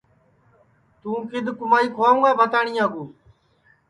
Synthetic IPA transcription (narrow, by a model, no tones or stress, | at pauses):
t̪ũːkɪd̪kʊmaːiːkʰaːũːaːbʱət̪aːɳĩːãːɡuː